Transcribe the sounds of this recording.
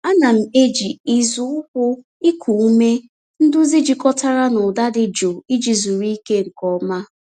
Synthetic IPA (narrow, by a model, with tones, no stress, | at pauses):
a˦na˨m̩˨e˦d͡ʒi˨i˦zʊ˦ʊ˦hʊ˦ | i˦kʰu˨u˦me˦ | n̩˦dʊ˦zi˦d͡ʒi˨kɔ˦ta˦ɾa˦nʊ˨da˦dɪ˦d͡ʒo˨i˦d͡ʒi˨zu˨ɾi˦i˦ke˦ŋ̩˨kɔ˨ma˦